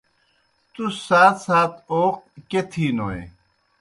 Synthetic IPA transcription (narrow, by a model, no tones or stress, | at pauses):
t̪usaːt̪ʰsaːt̪ʰoːq̚ket̪ʰiːnoːḛ